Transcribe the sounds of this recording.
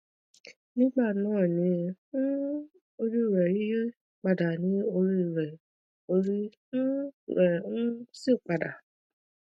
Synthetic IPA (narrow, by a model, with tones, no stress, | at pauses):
nĩ˦ɡ͡ba˦˨nãː˦˨nĩ˨˧˦ | o˧ɾi˦˨ɾɛ˨i˦ | k͡pa˨da˨nĩ˨˦o˧ɾi˧˨ɾɛ˨ | o˧ɾi˦ | n̩˦ɛ˨n̩˦si˦˨k͡pa˨da˨